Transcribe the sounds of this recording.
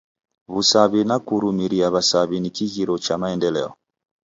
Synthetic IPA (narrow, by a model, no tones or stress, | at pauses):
βusaβinakuɾumiɾiaβasaβinikiɣiɾɔt͡ʃamaɛndɛlɛ̰ɔ̰